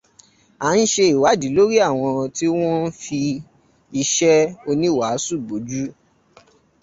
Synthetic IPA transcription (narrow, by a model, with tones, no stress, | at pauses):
a˨˦n̩˦ʃe˧i˨wa˨˦di˨˦lo˦ɾi˦a˦˨w̃ɔ̃˧ti˦w̃ɔ̃˦n̩˦fi˧ | i˧ʃɛ˦o˧nĩ˦˨wa˨˦su˦˨bo˨˦d͡ʒu˦